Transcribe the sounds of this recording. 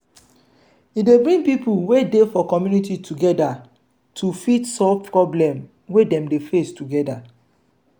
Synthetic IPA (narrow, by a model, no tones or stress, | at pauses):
idebɹĩŋpipuwedefɔkɔmjunititʰuɡɛda | tʰufitsɔvpʰɹɔblɛ̃m | wedɛ̃mdefestuɡɛda